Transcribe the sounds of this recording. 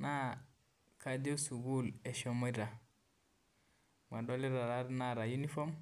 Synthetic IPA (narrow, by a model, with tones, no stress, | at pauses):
na˦ | ka˨d͡ʒo˦su˨ɡu˦le˨ʃo˨mo˦ɾa˨ | ma˨do˦li˦ɾa˨ɾa˦ɾna˦ɾa˨ju˦ni˦fo˦m